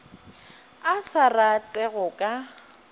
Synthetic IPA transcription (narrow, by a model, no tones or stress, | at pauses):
asaratʼɛɣʊkʼa